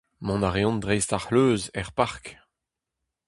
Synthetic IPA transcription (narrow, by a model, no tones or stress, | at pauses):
mɔ̃naʁeɔ̃ndʁɛjst̪aʁhløːzɛʁpaʁk